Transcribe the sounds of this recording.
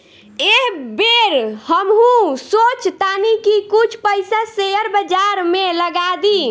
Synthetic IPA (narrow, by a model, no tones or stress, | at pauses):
eɦbeɾhəmɦũsot͡ʃʰt̪anikikut͡ʃʰpəjsasejəɾbəd͡ʒaɾmeləɡad̪i